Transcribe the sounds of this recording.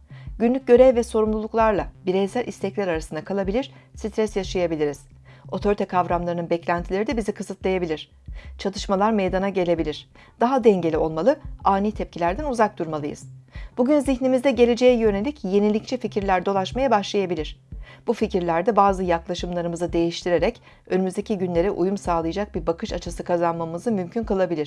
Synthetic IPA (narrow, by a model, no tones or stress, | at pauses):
ɟynlʲyc̚ɟø̞ɾɛvvːɛso̞ɾumlˠulˠuklˠaɾlˠabiɾesælʲʔist̪ʰɛclʲæɾaɾasɯnd̪akʰalˠabilʲiɾ̥sit̪ʰɾɛsjaʃajabilʲiɾiz̥ | o̞t̪ʰo̞ɾit̪ʰɛkʰavɾamlˠaɾɯnɯnbɛclʲænt̪ʰilʲe̞ɾid̪ɛbizikʰɯzɯt̪lˠajabilʲiɾ̥ | t͡ʃʰat̪ʰɯʃmalˠaɾmejd̪anaɟe̞lʲe̞bilʲiɾ̥ | d̪̥aɦad̪ɛɲɟe̞lʲio̞lˠmalˠɯaːniːt̪ʰɛp̚cʰilʲæɾd̪ænuzak̚d̪uɾmalˠɯjɯ̰z̥b̥uɟynziçnimizd̪ɛɟe̞lʲe̞d͡ʒe̞jɛjøne̞lʲicje̞nilʲic̚t͡ʃʰɛficiɾlʲæɾd̪o̞lˠaʃmajabaʃlˠajabilʲiɾ̥b̥uficiɾlʲæɾd̪ɛbaːzɯjaklˠaʃɯmlˠaɾɯmɯzɯd̪e̞jiʃt̪ʰiɾe̞ɾɛc | ønymyzd̪e̞cʰiɟynlʲe̞ɾɛʔujumsaːlˠɯjad͡ʒak̚biɾbakʰɯʃat͡ʃʰasɯkʰazanmamɯzɯmymcʰynkɯlˠabilʲiɾ̥